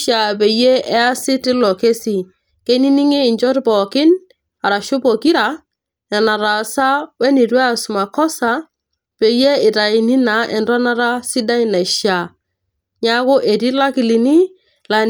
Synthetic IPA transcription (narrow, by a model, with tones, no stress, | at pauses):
ʃa˨pe˨je˦ʔɛ˦a˦sɪ˦tɪ˦lɔ˨ke˦si˨ | ke˦ni˦ni˦ŋe˦ɪ˨ɲd͡ʒɔ˦tpɔ˨kɪ˦n | a˨ɾa˨ʃo˦po˨ki˦ɾa˨˦ | ɛ˨na˨ɾa˨sa˦wɛ˦ni˨tɛ˦a˨sʊ˨ma˨kɔ˦sa˦ | pe˨je˦ɪ˨ta˨ɪ˨ni˦na˨˦ʔɛ˨ndwa˦na˦ɾa˦sɪ˦da˦i˦na˨ʃja˨ | ɲa˦kʊ˦ʔe˨ti˦la˦kɪ˨li˨ni˦ | la˨